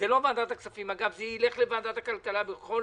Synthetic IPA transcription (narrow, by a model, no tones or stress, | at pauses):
elo̞vand̪at̪aksafimaɡavzeile̞χlevaːnd̪at̪akalkalabeχo̞